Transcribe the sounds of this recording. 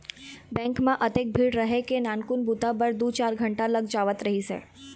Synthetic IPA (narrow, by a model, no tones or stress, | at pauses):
bɛ̃ŋkmãʔət̪ek̚bʱiɽɾəɦekenankunbut̪abəɾd̪ut͡ʃaɾɡʱəɳʈaləɡd͡ʒaʋət̪ɾəɦisḛ